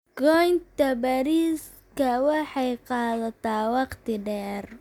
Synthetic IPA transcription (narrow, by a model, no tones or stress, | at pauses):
ɡɔjnt̪ʰɐbɐɾiːs | kʰɐwɑħɑjqɑːðɐt̪ʰaːwɑqt̪ʰɪɖɛːr